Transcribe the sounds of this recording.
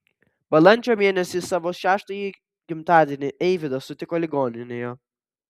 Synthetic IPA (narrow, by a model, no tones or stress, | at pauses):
b̥ɐlˠɐnʲt͡ʃʲoːmʲeɛnʲɛsʲɪsɑʋoʃʲæːʃt̪ɐji | kʲɪmt̪ɑːd̪ʲiɛnʲɪʔɛɪʋʲɪd̪ɐsʊt̪ʲɪkɔlʲɪɡɔːnʲɪnʲejɔ